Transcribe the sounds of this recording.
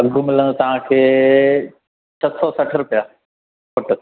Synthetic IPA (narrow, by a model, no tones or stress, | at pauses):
ɐɡʱʊmɪlə̃nt̪ɐʋ̤ãkʰeː | t͡ɕʰɐsɔsɐʈʰɾʊpijaː | pʊʈə